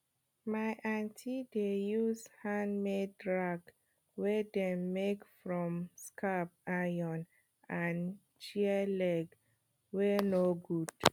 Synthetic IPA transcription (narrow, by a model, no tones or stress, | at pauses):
maɪʔãntʰidejushãnmedɹaɡ | wɛdɛ̃mːekfɹɔ̃mskʰapajɔ̃n | ãn | t͡ʃiəlɛɡ | wɛnoɡud̥